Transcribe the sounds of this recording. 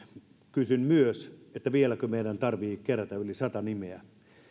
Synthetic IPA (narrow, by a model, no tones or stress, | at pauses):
kysynmyøset̪ːæʋielækømeidænt̪ɑrʋiːkeræt̪æylisɑt̪ɑnimeæ